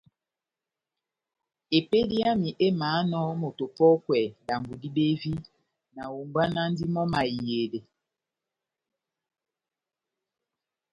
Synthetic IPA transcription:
e˨pe˦di˦a˦mi˨ʔe˦maː˨˦nɔ˦mo˨to˨pɔ˦kwɛ˨da˨mbu˨di˦be˦vi˦ | na˨wo˨mba˦na˦n˦di˦mɔ˦ma˨i˨je˨de˨

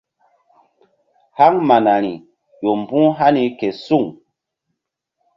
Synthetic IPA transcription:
ha˦ŋma˨na˨ɾi˨ | jo˨m˨bũ˦ɦa˦ni˦ke˨su˦˨ŋ

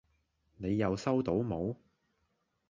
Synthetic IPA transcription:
ne˨˧jːɐ˨˧wsɐ˥wt̪o˨˥wmo˨˧w

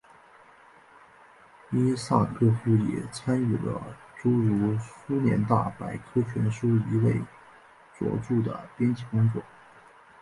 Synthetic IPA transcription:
i˥sa̰˥˩ŋkɤ˥˩fu˥jɛ̰˨˩t͡sʰa˥ny˥˩lə̰˦ʈ͡ʂu˥ɻu˧˥su˥njɛ̰˧˥nt̪a̰˥˩pa˨˩ɪkʰɤ˥t͡ɕʰɥɛ˧˥nʂu˥i˧˥we˥˩ɪ | t͡swɔ̰˧˩ʈ͡ʂu˥˩d̪ə̰˩pjɛ˥nt͡ɕʰi˥˩kʊ˥ŋt͡swɔ˥˩

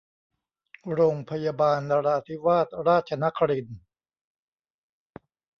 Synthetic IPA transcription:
ɾoː˧ŋpʰa˧ja˧baː˧ndaː˧ɾa˧ʔa˧t̪ʰi˦˥waː˥˩t̪̚ɾaː˥˩t̪̚t͡ɕʰa˧na˦˥kʰa˧ɾi˧n

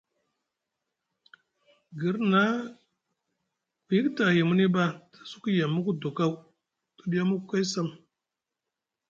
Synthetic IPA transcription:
ɡi˨ɾna˦ | ku˨ji˦kta˨hi˨mu˦ni˦ba˦tḁ˨su̥˦ku˦ja˨mːu˦ku˦du˨ka˦w | tu˨ɗi˦ja˦mu˦kka˦sa˦˨m

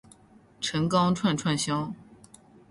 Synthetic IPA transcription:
ʈ͡ʂʰə˧˥ŋkɑ˥ŋʈ͡ʂʰwa˥˧nʈ͡ʂʰwa˥˩nɕjɑ˥ʊ

